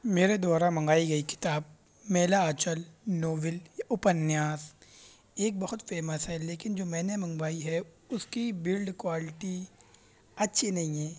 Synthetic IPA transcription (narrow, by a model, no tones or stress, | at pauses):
meːɾed̪aːɾamɐ̃ŋɡaːiɡɐikɪ̥t̪aːb | mɛːlaat͡ʃəlnoːʋɪljaʔʊpənjaːs | eːk̚bɐɦʊt̪fɛːməsɦɛleːkɪnd͡ʒoːmɛːnemɐ̃ŋɡbaːiɦɛ | ʊskibɪlɖkwaːlɪʈi | ɐtːʃʰinɐɦĩɦɛː